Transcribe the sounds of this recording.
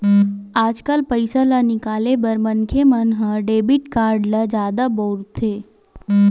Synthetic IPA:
ad͡ʒkalpəjsalanikalebəɾmənkʰemənɦə̃ɖebiʈkaɾɖlad͡ʒad̪abɔɾt̪ʰe

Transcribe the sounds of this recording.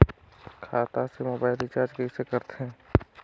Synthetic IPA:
kʰaːt̪asemoːbaːɪlit͡ʃaːɾd͡ʒkesekəɾt̪eɦɛ̃ː

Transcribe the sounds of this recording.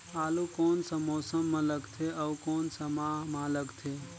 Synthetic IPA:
aːlukoːnsə̃moːsəmːə̃ləɡt̪ʰeʔəukoːnsəmaɦmaləɡt̪ʰe

